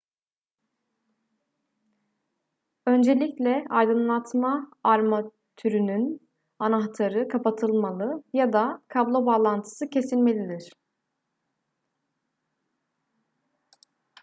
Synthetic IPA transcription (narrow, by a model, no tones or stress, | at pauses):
ø̞nd͡ʒe̞lʲiclʲɛajd̪ɯnlˠat̪ʰmaːɾma | t̪ʰyɾynyn | anaɦt̪ʰaɾɯkʰapʰat̪ʰɯlˠmalˠɯjad̪akʰablˠobaːlˠant̪ʰɯ̥sɯcʰe̞silʲme̞lʲid̪iɾ̥